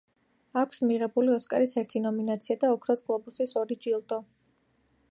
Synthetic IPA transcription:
akʷʰsmiʁɛbuliɔskʼaɾisɛɾt̪ʰinɔminat̪sʰiad̪aɔkʰɾɔsʼkʼlˠɔbusisɔɾid͡ʒilˠt̪ʼɔ

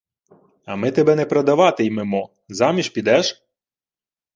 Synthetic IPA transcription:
ɐmɪt̪ɛbɛnɛpɾɐd̪ɐʋɑt̪ɪjmɪmɔ | zɑmʲiʃpʲid̪ɛʃ

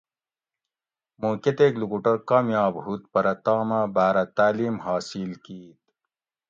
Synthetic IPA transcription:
moːket̪eklukuʈɐɾkaːmjaːbɦut̪̚pɐɾɐt̪aːmabaːɾɐt̪aːliːmɦɑːsilkiːt̪̚

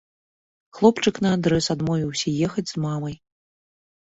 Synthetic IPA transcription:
xlˠɔpt͡ʂɨknɐad̪ɾɛsad̪mɔvʲiwsʲɐjɛxɐd͡zʲzmamɐj

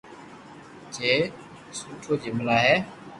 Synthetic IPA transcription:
t͡ɕe | suʈ͡ʂʰod͡ʑiməlaɦɛː

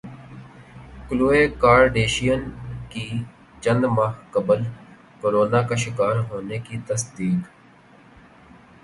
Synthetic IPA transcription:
kluːeːkaːɾɖeːʃijənki | t͡ʃə̃nd̪maːɦkəbəl | kʊɾoːnakaʃɪkaːɾɦoːnekit̪əsd̪iːk

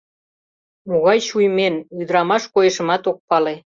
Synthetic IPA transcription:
moɣɑjʃujmenyd̪əɾɑmɑʃkojeʃə̆mɑt̪ok̚pɑle

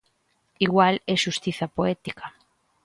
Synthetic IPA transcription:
iɣwaleʃust̪iθapoɛt̪ikʰa

